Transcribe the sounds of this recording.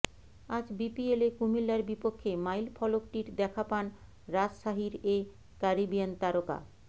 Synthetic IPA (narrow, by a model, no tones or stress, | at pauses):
ad͡ʑbipielekumilːaɾbipokʰːemajlfʰɔlokʈiɾd̪ɛkʰapan | ɾad͡ʑʃaɦiɾe | kaɾibijant̪aɾoka̰